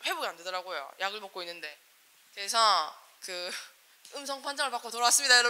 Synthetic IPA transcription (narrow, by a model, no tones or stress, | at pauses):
ɸwe̞boɡiande̞dʌɾaɡojo̰jaɡɯɭmʌk͈oinːɯnde̞ | kesʰʌ | kɯ | ɯmsʰʌŋpʰand͡ʑaŋɯɭpak͈otoɾʌas͈ɯmɲidajʌɾʌ